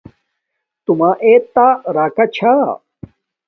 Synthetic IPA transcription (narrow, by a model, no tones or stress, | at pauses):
t̪umaʔet̪aɾaːkat͡ɕʰa